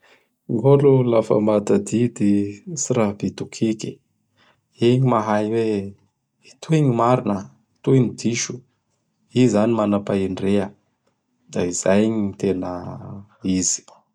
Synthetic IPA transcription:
ŋɡolulafa̰mad̪ad̪id̪isiɾabit̪ukʰiki | eɲimaɦajwe | it̪ʰueɲimaɾinə | t̪uiɲid̪iʃu | izanimanapaiɳɖ͡ʐeə | d̪̥aiz̥ajɲit̪enə̰ | iz̥i̥

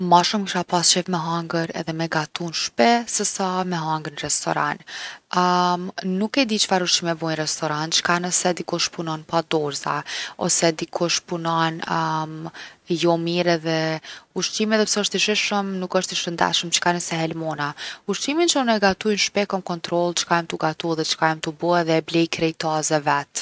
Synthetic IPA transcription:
maʃumkiʃapasɛvmɛɦaŋɡəɾɛ̰ðɛmɛɡat̪unʃpɛsɛsamɛɦaŋɡəɾnrɛst̪ɔ̰ɾa̰n | nukɛd̪it͡ʃə̥faɾuʃimɛvɔjnrɛst̪ɔɾant̪t͡ʃə̥kanəsɛd̪ikɔʃpunɔnpad̪ɔɾza̰ɔ̰sɛd̪ikʰɔʃpunɔnmjɔmiɾɛðɛuʃt̪imɛðɛpsɛɔʃt̪iʃiʃəmnukəʃt̪iʃənd̪a̰ʃəmt͡ʃə̥kanəsɛɦɛlmɔnauʃtimint͡ʃəunɛɡat̪ujnʃpɛkɔmkɔnt̪ɾɔlˠt͡ʃə̥kamt̪uɡat̪uðɛt͡ʃə̥kajmt̪ubuɛðɛblɛjkɾɛjt̪azɛvɛt̪

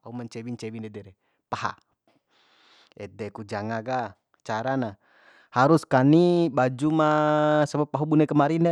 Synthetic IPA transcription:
aumant͡ʃɛwint͡ʃɛwindɛdɛɾɛ | paha̰ | ɛdɛkud͡ʒaŋaɡa | t͡ʃaɾana | haɾuskanibad͡ʒumasabapːaɦubunɛkəmaɾindɛ

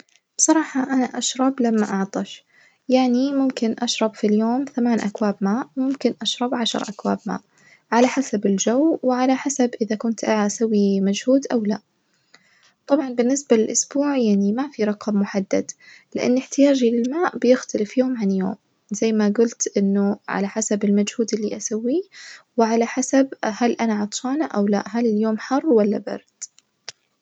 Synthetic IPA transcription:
b̥sˤɑɾˤɑːħɑʔanaʔaʃɾˤɑblamːaʔɑʕt̪ˤɑʃ | jaʕnimʊmkɪnʔaʃɾˤɑbfiljoːmθamaːnʔakwaːbmaːʔmʊmkɪnʔaʃɾˤɑbʕaʃɑ̰ɾˤʔakwaːbma̰ːʔ | ʕalaħasabɪld͡ʒawwɪʕalaħasabʔɪðakʊnt̪ʔaʔsawːimad͡ʒhuːd̪ʔawla | t̪ˤɑbʕɑnbɪnːɪsbalɪlʔʊsbuːʕjaʕnimafiɾˤɑqɑmːʊħad̪ːa̰d̪lɪʔa̰nːɪħt̪ɪjaːd͡ʒilɪlmaːʔbɪjɪxt̪ʰalɪfjoʊːmʕanjoːm | z̥ajːmaɡʊlt̪ʔɪnːʊʕa̰laħasabɪlmad͡ʒhuːd̪ɪlːiʔasawːiwɪʕalaħasabhalʔanaʕɑt̪ˤʃɑːnaʔawla̰ʔɦalɪljoːmħɑrˤːwalːa̰bɑ̰ɾˤd̪̥

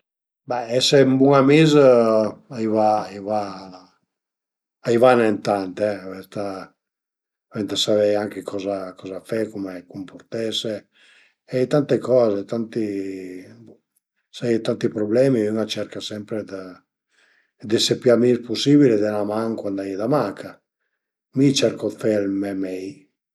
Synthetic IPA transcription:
bɛɛsembuŋamiz | aivaiva | aivanent̪ant̪ɛvɛst̪a | vɛnt̪əsavɛjaŋkekʰɔzakɔzafɛkumekumpoɾt̪ɛse | ɛt̪ant̪ekɔːzet̪ant̪i | sajt̪ant̪ipɾoblɛːmiuŋat͡ʃɛɾkasɛmpɾed̪a | d̪esepːiamispusiːβiled̪ɛnamaŋkwand̪ajd̪amakʰa | mit͡ʃɛɾkofɛalmɛmɛj

